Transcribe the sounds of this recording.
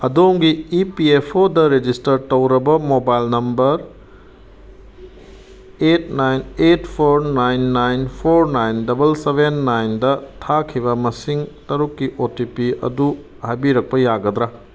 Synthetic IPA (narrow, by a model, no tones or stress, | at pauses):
ɐdoŋɡiːpiepʰodɐɾed͡ʒistɐɾtɐwɾɐbɐmobajlnɐmbɐɾ | et̚ʰnajnetpʰoɾnajnːajnpʰoɾnajndɐbɐlsebʱenːajndɐtʰakʰibɐmɐsiŋtɐɾukːiʔotipiɐ̰du | hajbiɾɐk̚pɐjaɡɐd̪ɾa